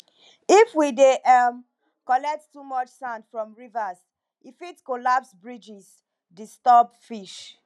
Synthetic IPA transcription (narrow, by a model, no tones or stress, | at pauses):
ifwideʔam | kɔlɛk̚ttumɔt͡ʃsãndfɹɔ̃mɹivas | ifitkolapsbɹid͡ʒis | distɔbfiʃ